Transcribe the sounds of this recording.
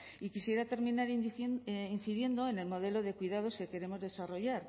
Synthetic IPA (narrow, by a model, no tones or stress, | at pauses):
ikisje̞ɾat̪e̞ɾmĩnaɾi | in̟θiðje̞nd̪o̞e̞ne̞lmo̞ð̞e̞lo̞ðe̞kwiðað̞o̞ske̞ke̞ɾe̞mo̞zðe̞saro̞ʝaɾ